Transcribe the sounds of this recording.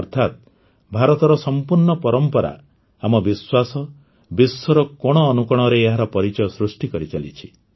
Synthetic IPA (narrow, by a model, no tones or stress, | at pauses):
ɔɾt̪ʰat̪̚ | bʱaɾɔt̪ɔɾɔsɔmpuɾɳɔpɔɾɔmpɔɾa̰ | amɔbiswasɔ | bisɔɾɔkɔɽ̃ɔːnukɔɽ̃ɔɾeːɦaɾɔpɔɾit͡ʃɔjɔsɾusʈikɔɾit͡ʃalḭt͡ʃʰi̥